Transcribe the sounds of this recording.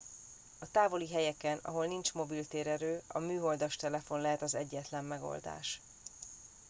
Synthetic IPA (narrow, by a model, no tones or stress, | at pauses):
ɒt̪aːvo̞liɦɛjɛkɛnɒ̰ɦo̞lnint͡ʃmo̞bilt̪eːɾɛɾøːɒ̰myːɦo̞ld̪ɒʃt̪ɛlɛfo̞nlɛɦɛt̪ɒzɛɟːɛt̪lɛmːɛɡo̞̰ld̪a̰ːʃ